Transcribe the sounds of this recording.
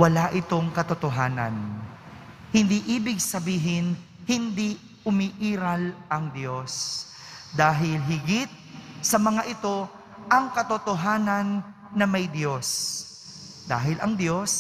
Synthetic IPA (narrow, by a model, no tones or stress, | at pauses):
wɐlaʔɪt̪o̞ŋkɐt̪ot̪oɦaːnɐ̰n | hɪnd̪iʔiːbɪɡ̚sɐbiːɦɪn | hɪnd̪i | ʊmiʔiːɾɐlʔɐŋd̪jo̞s | d̪aːɦɪlɦɪɡɪt̪̚sɐmɐŋaʔɪt̪o̞ | ʔɐŋkɐt̪ot̪oɦaːnɐnː | ɐmɐjd̪jo̞s | d̪aːɦɪlʔɐŋd̪jo̞s